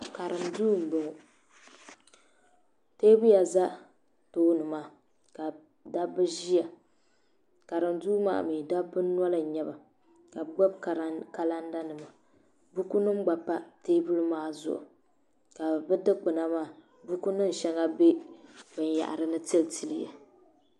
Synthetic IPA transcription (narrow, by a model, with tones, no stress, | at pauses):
ka˨ɾɨ˨mduː˦m̩˨bʊ˨ | te˦bu˦ja˨za˦ | toː˦nɨ˨maː˦˨ | ka˨ | da˦bɨ˦ʒi˦ja˨ | ka˨ɾɨ˨mduː˦ma̰ː˦˨miː˨da˦bɨ˦n˦ɔ˦la˨ɲɛ˦ba˨ | ka˨ɡ͡bɔ˦b̚ka˨ɾka˨la˦nda˦nɨ˨ma˨ | bu˦ku˦nɨ˦m˦ɡ͡ba˨pːa˦teː˦bu˦lmaː˦zʊ̰˨ʔʊ̰˨ | ka˨bɨ˦dɨ˦k͡pɨ˨na˦maː˦˨ | bu˦ku˦nɨ˦n˨ʃɛ˦ŋa˦be˦bɨ˨n˨ja̰˨ʔa̰˨ɾɨ˦nɨ˦ti˦lti˨lɨ˨ja̰˨